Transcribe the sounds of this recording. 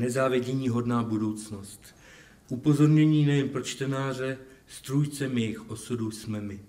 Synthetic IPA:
nɛzaːvjɛɟɛɲiːɦo̞dnaːbudo̞wt͡sno̞st̪ | ʔupo̞zo̞ɾɲɛɲiːnɛjɛnpɾo̞t͡ʃt̪ɛnaːr̝ɛ | st̪ɾujt͡sɛmjɛjɪxʔo̞sudusmɛmɪ

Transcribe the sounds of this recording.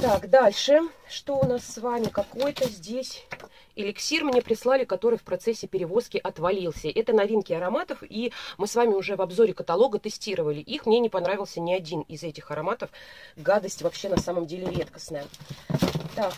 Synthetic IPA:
t̪akd̪alʲʂɨʂt̪o̞ʊnasːvamʲɪkɐko̞jt̪əzʲdʲesʲ | ɪlʲɪksʲirmnʲe̞pɾʲɪslˠalʲɪkɐt̪o̞ɾɨjfpɾɐt̪sɛsʲːɪpʲɪɾʲɪvo̞skʲɪʔɐt̪vɐlʲilˠsʲəʔɛt̪ənɐvʲinkʲɪɐɾɐmat̪əfimɨsvamʲɪʊʐɛvɐbzo̞ɾʲɪkət̪ɐlˠo̞ɡət̪ɨsʲtʲiɾəvəlʲɪʔixmnʲenʲɪpɐnɾavʲɪlˠsʲənʲɪɐdʲinɪzɛtʲɪxɐɾɐmat̪əfɡad̪əsʲtʲvɐpɕːe̞nɐsaməmdʲelʲɪɾʲe̞t̪kə̥snəjə | t̪ak

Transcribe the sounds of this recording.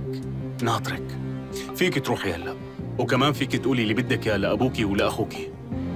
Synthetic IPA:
naːt̪ˤɾɪkfiːkit̪ɾuːħjalːaʔ | wkamaːnfiːkit̪ʔuːlilːibɪd̪ːakjalaʔabuːkiwlaʔaxuːki̥

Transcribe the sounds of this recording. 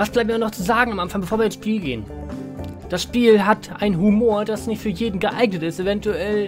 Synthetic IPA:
vasb̥laɪp̚tmːnɔχt͡suzaːɡŋ̩amʔanfaŋbəfoːɐviːɐɪnsʃpiːlɡḛːən | d̥asʃpiːlɦatʔaɪnɦumoːɐd̥asnɪçtfyːɐjeːdn̩ɡəʔaɪɡnətɪstevɛntuʔɛl

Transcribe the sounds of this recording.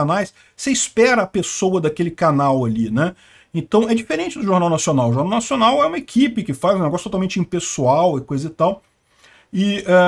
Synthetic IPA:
anajs | seispɛɾɐːpesowɐd̪ɐkelɪkanawalinɛ | ẽt̪ɐ̃w̃ɛd͡ʒifeɾẽnt͡ʃɪd̪ʊʒoɾnawnasionawʊʒoɾnaw̃nasionawɛũmɐekʰipɪkɪfazũneɡɔsʊt̪ot̪awmẽnt͡ʃɪĩpesuawɪkojzɐɪt̪aw | ɪɛ

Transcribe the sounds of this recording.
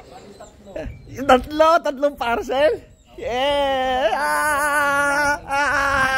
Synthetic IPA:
t̪at̪lot̪ɐt̪loŋpaɾsɛl | ɛ | a | a

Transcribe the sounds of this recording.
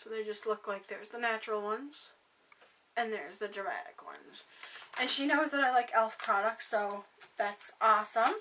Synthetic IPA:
soʊðeɪd͡ʒʌstˡlʊklaɪk̚ðə˞zðənæt͡ʃɹl̩ˠwʌ̃nz̥ | ɨ̃nðə˞zðɨdɹɨmæ̰ɾɨ̰kwʌ̰̃nz̥ʔɨ̃nʃinoʊzðəɾaɪlaɪkɛlˠfpʰɹ̥ɑɾək̚tsoʊðætsʔɔsə̃m

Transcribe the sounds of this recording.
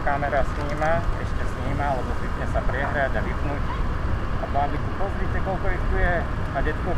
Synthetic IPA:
kamɛɾasɲiːmaɛ̰ʃcɛsɲiːmaalɛbɔsit̪ɲɛsapɾɛɦɾaɟaʋipnuc | a̰bamb̪ik̪upɔzɾit̪ɛkɔlkɔixt̪ujɛ | aɟɛt̪kɔ

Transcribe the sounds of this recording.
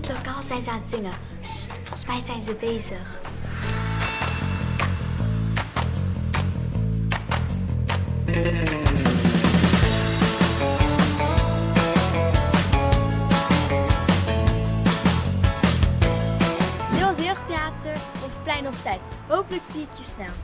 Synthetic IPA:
lokaːlˠzɛjnzəaːnətz̥ɪŋə | sfɔχsmɛjzɛjnzəbejzəχ | nɪlˠzɪːχteaːtəɹɔfplɛjnɔpsɛjtɦowpələksiɪkjəsnɛlˠ

